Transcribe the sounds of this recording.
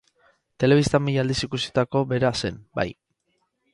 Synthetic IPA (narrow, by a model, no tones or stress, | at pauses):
t̪e̞le̞β̞ist̪amiʎald̪isikusit̪ako̞βe̞ɾase̞nba̰j